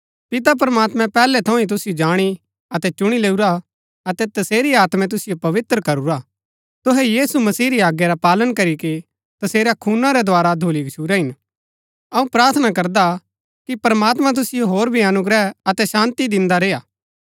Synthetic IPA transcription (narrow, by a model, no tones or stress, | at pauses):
pɪt̪ap̬ɾmaːt̪mɛ̃pɛːlɛt̪ʰɐ̃ĩt̪̬ʊsɪjod͡ʒaːɽ̃i | ɐt̪ɛt͡ʃʊɽ̃ileːuɾa | ɐt̪ɛt̪ɐseːɾiaːt̪mɛ̃t̪̬ʊsɪjopɐʋɪt̪ɾkɐɾuɾa | t̪ʊɦɛjiːsumɐsiːɾiaːɡjaɾapaːlənkɐɾike | t̪ɐseːɾakʰuːnãɾɛd̪ʱʊaːɾad̪ʱoːliɡʃʰuːɾaɦɪn | ɐũpɾaːɾt̪ʰnakɐɾd̪a | kipɾɐmaːt̪mãt̪̬ʊsɪjoɦoːɾbʱiɐnʊɡɾɛɐt̪ɛʃãːnt̪id̪ɪ̃nd̪aɾeːaː